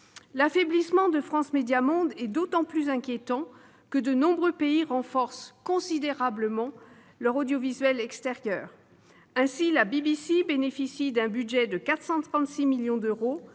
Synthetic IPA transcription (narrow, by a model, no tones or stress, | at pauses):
lafeblismɑ̃d̪əfχɑ̃smed̪jamɔ̃d̪ɛd̪ot̪ɑ̃plyzɛ̃kʲjet̪ɑ̃ | kəd̪ənɔ̃bʁøpeiʁɑ̃fɔʁskɔ̃sid̪eʁabləmɑ̃ | lœʁod̪jovizɥɛlɛkst̪eʁjœːʁ | ɛ̃silabibisibenefisid̪ɛ̃byd̪ʒɛd̪əkat̪χsɑ̃t̪χɑ̃t̪similjɔ̃d̪øʁo